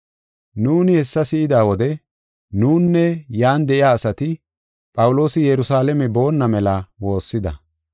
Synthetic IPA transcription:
nuːnɪhɛsːɐsɪʔɪd̪aːwɔd̪ɛ | nuːnːɛjaːnd̪ɛʔɪjaːsɐt̪ɪ | pʼɐwʊlo̞ːsɪjɛɾʊsaːlɛmɛbo̞ːnːɐmɛlɐwo̞ːsːɪd̪ɐ

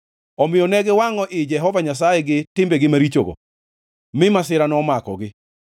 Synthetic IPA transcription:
ɔmɪjɔnɛɡɪwaŋɔʔɪd͡ʒɛɦɔvaɲas̬ajɛɡɪtɪmbeɡɪmaɾit͡ʃoɡo̰ | mɪmasɪɾanɔmakɔɡɪ

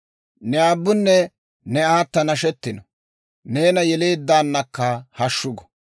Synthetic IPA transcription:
nɛaːbːʊnːɛ | nɛaːt̪ːɐnɐʃɛt̪ːɪnɔ | neːnɐjɛleːd̪ːaːnːɐkːɐhɐʃːʊɡɔ̥

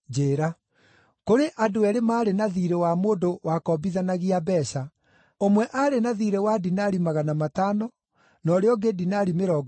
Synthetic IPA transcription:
d͡ʑeːɾa | koɾeʔadoɛɾemaːɾenaðiɾewamoːndowakɔbiðanaɣiabɛɕa | omwɛʔaɾenaðiɾewadinaɾimaɣanamatanɔ | nɔɾeɔɡedinaɾimeɾɔːɡ

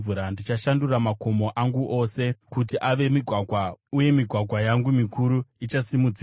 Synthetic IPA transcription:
uɾandit͡ʃaʃanduramako̞mo̞ʔaŋɡuʔo̞se̞kut̬iʔaʋe̞miɡʱwaɡʱwauje̞miɡʱwaɡʱwajaŋɡumikʰuɾuit͡ʃasimud͡zi

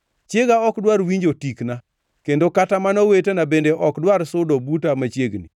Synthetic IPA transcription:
t͡ʃjeɡaɔkdwaɾwiɲd͡ʒotikna | kendokatamanɔwetenabendeʔɔkdwaɾsʊdɔbutamat͡ʃjeɡni

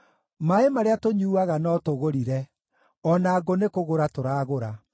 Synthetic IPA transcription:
maemaɾeatoɲuːaɣanɔtoɣoɾiɾɛ | ɔnaːɡonekoɣoɾatoɾaːɣoɾa

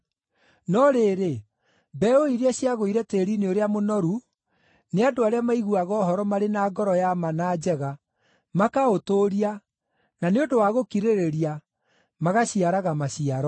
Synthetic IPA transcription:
nɔɾeːɾe | bɛoiɾiaɕjaɣoiɾɛteɾineoɾeamonɔɾu | neadoaɾeamaiɣuaɣɔːhɔɾɔmaɾenaːɡɔɾɔjamanaːd͡ʒɛɣa | makaotoːɾia | naneodowaɣokiɾeɾeɾia | maɣaɕiaɾaɣamaɕiaɾɔ

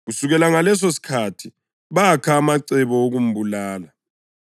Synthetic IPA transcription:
ɣusuɣɛlaŋalɛs̬osi̥kʰatʰi | βakʰaːmaǀɛβɔoɣum̩bulaːla

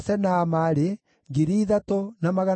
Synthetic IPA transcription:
sɛnaːmaɾe | ŋɡiɾiːðatonamaɣa

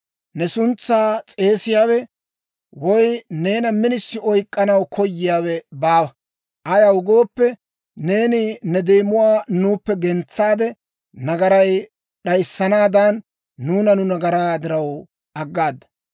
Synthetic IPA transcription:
nɛsʊnt͡sːaːt͡sʼe̞ːsɪjaːwɛ | wɔjne̞ːnɐmɪnɪsːɪɔjkʼːɐnɐwkʰɔjːɪjaːwɛbaːwɐ | ʔɐjɐʊɡo̞ːpːɛ | ne̞ːnɪnɛd̪eːmʊwaːnuːpːɛɡɛnt͡sːaːd̪ɛ | nɐɡɐɾɐj | ɗɐjsːɐnaːd̪ɐnː | uːnɐnʊnɐɡɐɾaːd̪ɪɾɐw | ɐɡːaːd̪ːɐ̥

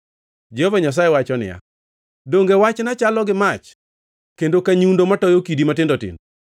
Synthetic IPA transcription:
d͡ʒɛhovaɲas̬ajɛwat͡ʃɔnɪ̰ja̰ | doŋɡewat͡ʃnat͡ʃalɔɡɪmat͡ʃ | kendokaɲundomatɔjokidimatɪndɔtɪ̰ndo

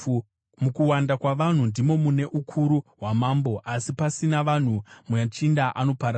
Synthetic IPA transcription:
mukuwandakwaʋan̤undimo̞mune̞ʔukʰuɾuɦwamaːmbo̞ʔasipasinaʋan̤umujat͡ʃindaʔano̞paɾa

